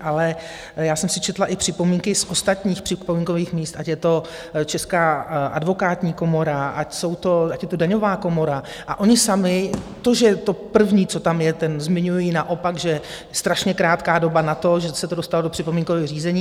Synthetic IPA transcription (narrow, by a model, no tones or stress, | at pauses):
ʔalɛ | jaːsɛmsɪt͡ʃɛt̪laʔɪpr̥ɪpo̞miːŋkɪsʔo̞st̪at̪ɲiːxpr̥ɪpomiːŋko̞viːxmiːst̪acjɛt̪o̞ | t͡ʃɛskaːʔa̰dvo̞kaːt̪ɲiːko̞mo̞ɾaʔacso̞wt̪o̞acjɛt̪o̞daɲo̞vaːko̞mo̞ɾa | ʔa̰ʔo̞ɲɪsamɪt̪o̞ʒɛt̪o̞pr̩vɲiːt͡so̞t̪amjɛt̪ɛnzmɪɲujinaʔo̞pakʒɛ | st̪ɾaʃɲɛkɾaːt̪kaːdo̞banat̪o̞ʒɛsɛt̪odo̞st̪alodopr̥ɪpo̞miːŋkovɛːɣriːzɛɲiː